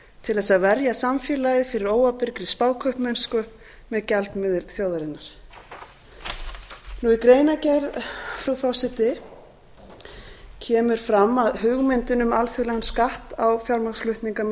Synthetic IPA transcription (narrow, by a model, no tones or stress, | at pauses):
t̪ʰɪlθɛsːavɛɾjasamfjɛːlajðɪfɪɾɪɾoːwapɪɾkɾɪspaːwkʰœhpmɛnskʏ | mɛðcɛlt̪nmɪðɪɾθjoːwðaɾɪnːaɾ̥ | nuikɾeːjnacɛɾðfɾuwfɾɔwsɪt̪ɪ | cʰɛːmʏɾ̥fɾamːaðɦʏɣmɪnt̪ɪnʏmalθjʏɾlɛɣanskaht̪awfjaɾmaslʏht̪niŋkam